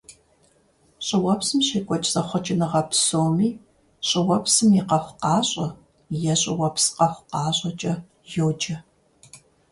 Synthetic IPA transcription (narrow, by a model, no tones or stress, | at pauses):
ɕʼɪwɐpsɨmɕeːkʷʼɔt͡ʃʼz̥ɐχʷɔt͡ʃʼɪnɨʁɐpsoːmiː | ɕʼɪwɔpsɨmiqɐfqɑːɕʼɐ | jɛɕʼɪwɐpsqɐfʷqɑːɕʼɐt͡ʃʼɐ | jowd͡ʒɐ